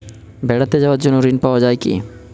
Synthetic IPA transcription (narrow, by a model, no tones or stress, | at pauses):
bɛɽat̪ed͡ʑaoaɾd͡ʑonːoɾinpaoad͡ʑaekḭ